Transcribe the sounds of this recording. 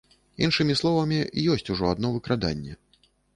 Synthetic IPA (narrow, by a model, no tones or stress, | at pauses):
inʂɨmʲislˠɔvɐmʲijɔsʲt͡sʲuʐɔad̪nɔvɨkɾad̪a̰nʲːɛ̰